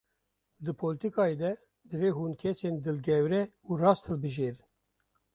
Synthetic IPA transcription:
d̪ɨpʰolɨt̪ikɑːed̪ɛ | d̪ɨveːɦuːnkʰɛseːnd̪ɨlɡɛwɾɛuːrɑːst̪ʰhɨlbɨʒeːɾ

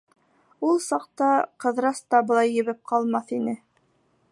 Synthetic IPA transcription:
ulˠsɑq̚t̪ɑqɤ̆ðɾɑst̪ɑbɤ̆lˠɑjːɘ̆βɘp̚qʰɑlˠmɑθinɘ

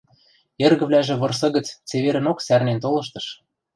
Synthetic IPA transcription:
erɣə̆βlʲæʒĕβɤ̆rs̬ɤ̆ɣə̆t͡st͡seβeɾɘ̆noksærnent̪olɤ̆ʃ̬t̪ɤ̆ʃ

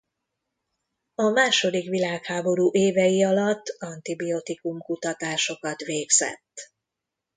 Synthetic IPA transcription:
ɒmaːʃo̞d̪ikʋilaːkhaːbo̞ɾuːʔeːvɛjiɒlɒt̪ːɒnt̪ibiot̪ikumkut̪ɒt̪aːʃo̞kɒt̪ʋeːɡz̥ɛ̰t̪ː

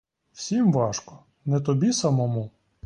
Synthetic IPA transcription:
wsʲimʋɑʃkɔ | nɛt̪ɔbʲisɐmɔmu

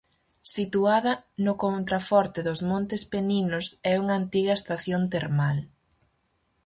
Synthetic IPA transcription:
sit̪uaðɐnʊkont̪ɾafɔɾt̪ɪðʊzmõnt̪ɪspeninʊsɛuŋɐːnt̪iɣɐest̪aθjont̪eɾmal

